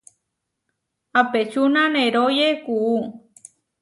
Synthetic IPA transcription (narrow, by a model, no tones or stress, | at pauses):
apet͡ʃunãnẽɾojekuu